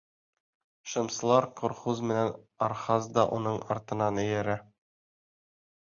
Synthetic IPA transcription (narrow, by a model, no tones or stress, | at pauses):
ʃɤ̆msɤ̆lˠɑɾqŏɾχuzmɘ̆nænɒɾχɑzd̪ɒʔunɤɴɒ̰ɾt̪ɤ̆nɑnɘ̆jæɾæ